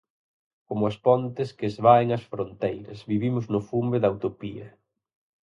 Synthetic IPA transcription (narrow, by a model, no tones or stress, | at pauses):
komʊɐspɔnt̪ɪskeːzβaeŋɐsfɾont̪ejɾɐzβiβimʊznʊfumbeðɐwt̪opiɐ̰